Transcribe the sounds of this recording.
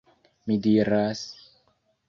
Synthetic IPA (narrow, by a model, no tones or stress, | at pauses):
midiɾas